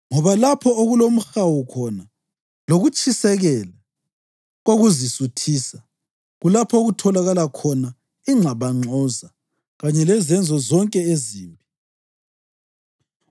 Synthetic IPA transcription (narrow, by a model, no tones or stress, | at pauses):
ŋɔβalapʰɔoɣulom̩xawukʰɔna | loɣut͡ʃʼisɛɣɛla | ɣoɣuzisutʰiːsa | ɣulapʰoɣutʰɔlaɣalakʰɔna | iŋ͡ǁʱaβaŋ͡ǀʱɔza | ɣaɲɛlɛzɛnd͡zʱɔzɔŋkʼɛeziːmpʼi